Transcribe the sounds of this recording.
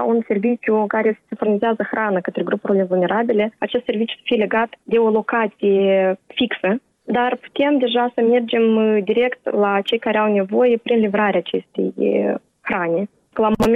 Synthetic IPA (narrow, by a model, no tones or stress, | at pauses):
unsʲe̞rvʲit͡ʃʲukaɾʲessʲinfʊrnʲɪzʲazəxranəkət̪ɾʲeɡrupornʲevulˠnʲeɾabʲilʲeat͡ʃest̪sʲervit͡ʃʲu̥sə̥fʲijlʲeɡat̪d̪ʲeolˠo̞kat̪sʲijefʲiksə | d̪arpu̥t̪ʲe̞md̪ʲeʐasəmʲe̞rd͡ʒemd̪ʲiɾʲe̞kt̪lat͡ʃejkaɾʲawnʲevo̞jepɾʲinlʲivraɾʲat͡ʃesʲt̪ʲḛj | xranʲɪ | kəlˠamomʲ